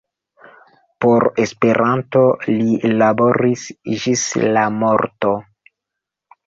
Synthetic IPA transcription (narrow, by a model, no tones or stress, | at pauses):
po̞ɾespe̞ɾʔantolilabo̞ɾisd͡ʒislamo̞ɾto̞